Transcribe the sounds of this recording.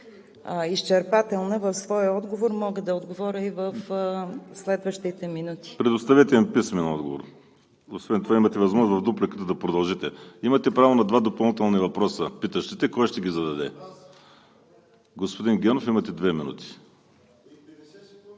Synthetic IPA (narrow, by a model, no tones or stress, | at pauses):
ist͡ʃɛɾpat̪ɛlˠnəvəfsvɔjəɔd̪ɡovoɾmɔɡəd̪ɐod̪ɡovɔɾʲəivəf | slɛd̪vəʃt̪it̪ɛminut̪i̥pɾɛd̪ʊst̪ɐvɛt̪ɛmpismɛnɔd̪̚ɡovo̰ɾ | osvɛnt̪ovaimɐt̪ɛvɐzmɔʒnzvɐvd̪uplikət̪əd̪ɐpɾod̪ɐlˠʒit̪ɛimɐt̪ɛpɾavonɐd̪vad̪opɐlˠnit̪ɛlˠnivɐpɾɔsəpit̪əʃt̪ɛt̪ɛkɔjʃt̪ɛɡʲizɐd̪ɐd̪ɛ | ɡospod̪inɡʲɛnofimɐt̪ɛd̪vɛminṵt̪i̥